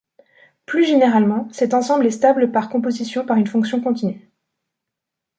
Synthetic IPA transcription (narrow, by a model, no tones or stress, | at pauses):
plyʒeneʁalmɑ̃sɛt̪ɑ̃sɑ̃blɛst̪abləpaʁkɔ̃pozisjɔ̃paʁynfɔ̃ksjɔ̃kɔ̃t̪inɥe